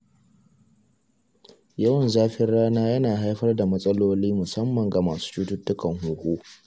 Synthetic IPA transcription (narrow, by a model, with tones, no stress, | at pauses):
jɐ˦wɐ˨nzaː˦ɸɪ˦rɽaː˦naː˦jɐ˦naː˨ɦa˦jɸɐ˦rda˨mɐ˦sʼɐ˦loː˦liː˦mʊ˨sɐ˦mːɐ˨ŋɡa˨maː˨su̥ː˦t͡ʃuː˦tʊ˦tːʊ˦kɐ˨ŋhuː˨kʷʼoː˦